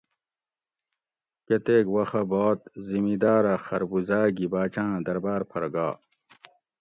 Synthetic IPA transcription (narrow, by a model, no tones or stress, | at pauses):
ket̪eːkwɐxɐboːt̪zimid̪aːɾɐxɐɾbuzaːɡibaːt͡ɕãːd̪ɐɾbaːɾpʰɐɾɡaː